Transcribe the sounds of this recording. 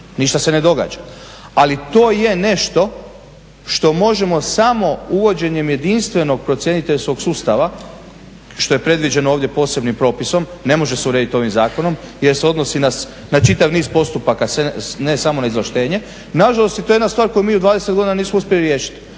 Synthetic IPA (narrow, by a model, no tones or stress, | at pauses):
niʃt̪ase̞ne̞d̪o̞ɡa̰ːd͡ʒa | alit̪o̞ːje̞ne̞ʃt̪o̞ | ʃt̪o̞mo̞ʒe̞mo̞samo̞uʋo̞d͡ʑe̞ɲe̞mje̞d̪inst̪ʋe̞no̞ɡ̚pɾotsje̞nit̪eʎsko̞ɡsuːst̪aʋa | ʃt̪o̞jepɾe̞d̪ʋid͡ʑe̞nooːʋd̪je̞po̞ːse̞bnimpɾo̞ːpiso̞mne̞mo̞ʒe̞seuɾed̪it̪o̞ʋimzaːko̞no̞mje̞ɾseo̞d̪no̞sinas | nat͡ʃit̪aʋniːzpo̞st̪upakasenesamo̞naizlaʃt̪e̞ːɲe̞ | naʒalo̞st̪jet̪ojed̪nast̪ʋaːɾko̞jumiːud̪ʋaːd̪eset̪ɡo̞d̪inaniːsmouspʲjeliɾje̞ːʃi̥t̪